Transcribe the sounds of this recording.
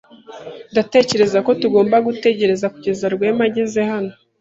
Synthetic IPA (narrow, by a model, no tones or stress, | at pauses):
ndate̞ːce̞ɾe̞zako̞tuɡo̞ːmbaɡute̞ɟe̞ɾe̞zakuɟe̞zaɾɡwe̞ːmaɟeze̞hano̞